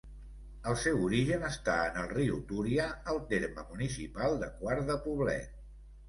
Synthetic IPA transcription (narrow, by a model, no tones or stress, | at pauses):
əlˠsɛwuɾiʒənəst̪aənəlˠriut̪uɾiaəlˠt̪eɾməmunisipalˠd̪əkwaɾðəpuβ̞lɛ̰t̪̚